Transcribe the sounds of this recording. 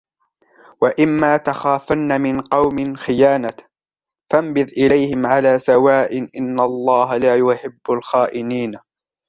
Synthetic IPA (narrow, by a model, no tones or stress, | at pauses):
waʔɪmːaːt̪axaːfanːamɪnqɑwmɪnxɪjaːna | fambɪðʔɪlajhɪmʕalaːsawaːʔɪnʔɪnːalˤːɑːɦalaːjʊħɪbːalxaːʔɪniːn